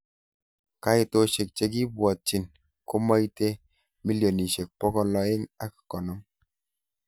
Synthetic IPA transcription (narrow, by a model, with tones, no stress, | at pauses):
ka˦ɪ˨to˨ʃe˨k̚t͡ʃe˨k̬ɪ˦bwɔ˨t̚t͡ʃi˨n | kɔ˦ma˦i˦te˦ | mi˦ljo˨ni˨ʃe˨k̚pɔ˦kɔ˦lɔ˨ɪ˦ŋa˦kḁ˨kɔ˨nɔ˦m